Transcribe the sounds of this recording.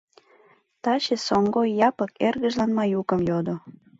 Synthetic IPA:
t̪ɑɕesoŋɡojjɑpə̆kerɣə̆ʒlɑnmɑjukəmjod̪o

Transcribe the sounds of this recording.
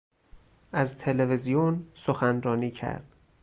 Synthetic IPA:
æzt̪ʰe̞levezijonsoxænrɒːniːcʰæ̰ɾd̪̥

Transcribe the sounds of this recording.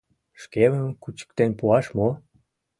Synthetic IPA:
ʃkeməmkut͡ɕə̥k̚t̪enpuɑʃmo

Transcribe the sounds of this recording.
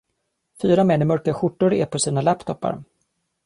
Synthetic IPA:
fyːɾamɛnːɪmœɾkaɧʊʈːʊɾɛpʰɔsiːnalæpt̪ʰɔpːa̰ɾ

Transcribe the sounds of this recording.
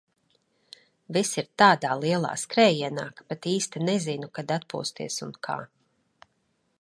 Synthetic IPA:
visiɾt̪aːd̪aːlˠiɛlˠa̰ːskɾɛːjiɛna̰ːkpat̪iːst̪inɛzinukad̪at̪̚pṵɔst̪ḭɛsunkʰa̰ː

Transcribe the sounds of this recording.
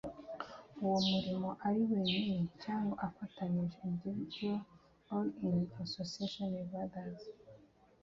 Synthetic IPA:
uwomuɾimo̞ʔaɾiweninicaːŋɡoʔafataniʒeindividuol | olinasosiaʃonevaðaz

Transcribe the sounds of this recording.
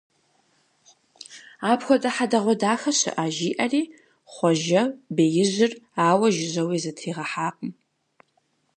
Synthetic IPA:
aːpxʷɔtʼɐħadɐʁʷɔdaːxɐɕɨ̰ʔaʒiːʔɐriː | χʷɔʒɐbeːjɪʑɪraːwɐʒɪʑɐwiːzɐtʰiːʁɐħaːqʼəm

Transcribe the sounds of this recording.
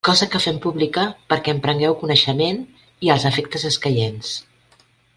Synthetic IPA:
kɔzəkəfɛmpuβlikəpəɾkɛmpɾəŋɡɛwkunəʃəmen | iəlˠzəfek̚t̪əzəskəʎens

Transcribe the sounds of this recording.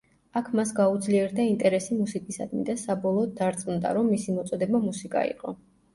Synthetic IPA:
akʰmasɡaud̪zliɛɾd̪aint̪ʼɛɾɛsimusikʼisa̰d̪mḭd̪asabɔlˠɔːd̪̚d̪aɾt̪sʼmund̪a̰ɾɔmːisimɔt̪sʼɔd̪ɛbamusikʼa̰ḭqʼɔ

